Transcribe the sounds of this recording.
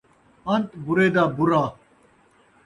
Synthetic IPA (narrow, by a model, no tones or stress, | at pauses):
ɐnt̪buɾeːd̪aːbuɾaː